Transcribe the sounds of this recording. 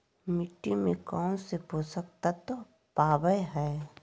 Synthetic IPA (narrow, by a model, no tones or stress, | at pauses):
mɪʈːimẽkɔːñsepoːsək̚t̪at̪o | paːbəjɦɛː